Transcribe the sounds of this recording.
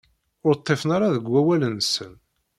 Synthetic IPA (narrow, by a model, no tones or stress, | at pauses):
ʊɾt̪ˤːefnaɾaðəɡːæwælənsən